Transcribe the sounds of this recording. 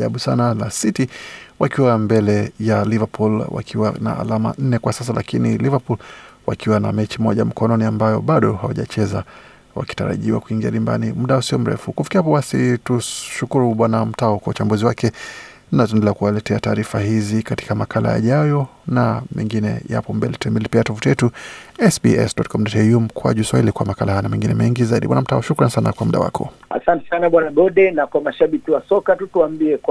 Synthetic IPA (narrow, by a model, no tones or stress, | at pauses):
aɓusanalasitiwakiwambɛlɛjalivapʰulwa̰kʰiwana̰ːlama̰n̩nɛkwasas̬alʔakinilivapulwa̰kiwana̰mɛt͡ʃimɔʄam̩kɔnɔniambajɔ̰ɓaɗɔɦawaʄa̰t͡ʃɛza | wa̰ki̥ta̰ɾa̰ʄiwa̰kuiŋɡia̰limba̰nimuɗausiɔm̩ɾɛ̰fukufi̥kiahapɔwasituʃukuɾuɓwanam̩taɔkwaut͡ʃambuziwakɛ | natuɛndɛlɛakuwalɛtɛataːɾifahizikati̥kamakʰala̰ja̰ʄajɔnamɛ̰ŋɡinɛ̰ja̰pɔmbɛlɛtɛmbɛlipiatɔfutjɛtuɛsbḭɛ̰sɗɔtkɔmdɔtɛumkʰwa̰ʄuswahilikwamakalahanamɛŋɡinɛmɛŋɡizaiɗḭbwa̰nam̩taɔʃukɾansana̰kwamuɗa̰wa̰kʰɔ̰a̰santɛ̥sanaɓwanaɡɔɗɛnakwamaʃaɓikiwasɔkatutuambiɛ